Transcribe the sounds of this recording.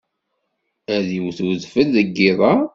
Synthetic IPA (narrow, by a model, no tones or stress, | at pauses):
æðiwθwəðfəlðəɡːɪðˤɑ